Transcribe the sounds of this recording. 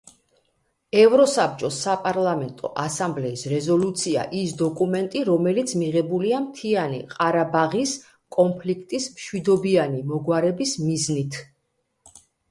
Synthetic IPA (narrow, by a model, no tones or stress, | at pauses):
ɛvɾɔsap̚t͡ʃʼɔsːapʼaɾlˠamɛnt̪ʼɔ̰ʔasamblɛisɾɛzɔlut̪sʰia̰ʔisd̪ɔkʼumɛnt̪ʼiɾɔmɛlit̪sʰmiʁɛbuliamt̪ʰianḭqʼaɾabaʁis | kʼɔnpʰlikʰt̪ʼismʃwid̪ɔbianimɔɡwaɾɛbismiznit̪ʰ